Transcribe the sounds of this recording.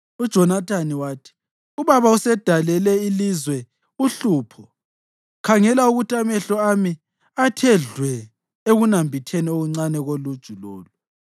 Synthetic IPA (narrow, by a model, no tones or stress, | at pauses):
ud̥ʒ̥ʱɔnatʰaniwaːtʰi̥ | uβaβausɛd̥ʱalɛlɛilizwɛ | uɬuːpʰɔ | kʰaŋɛlauɣutʼamɛɬɔami | atʰɛɮwɛ | eɣunambʱitʰenioɣuŋ͡ǀanɛɣolud̥ʒ̥ʱuloːlu